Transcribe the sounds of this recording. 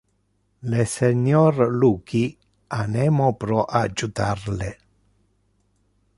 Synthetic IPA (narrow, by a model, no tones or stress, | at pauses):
leseɲɔrluːki | anɛmopɾɔʔad͡ʒut̪arle